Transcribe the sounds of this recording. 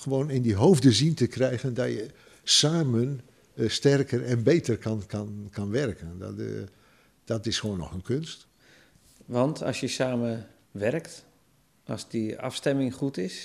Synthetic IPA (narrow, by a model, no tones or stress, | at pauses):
xəʋoːnɪndiɦoːvdəzintəkrɛjɣəndɔjə | saːmən | stɛrkərɛnbejtərkʰankankɑnʋɛrkəndɔ̰ | d̥ɔtɪsxoːnːɔ̰xənkʰønst | ʋɑntʰɑ̰sjəsaːmə | ʋɛrkt | ʔɑ̰sdəa̰fstɛmɪŋχutɪs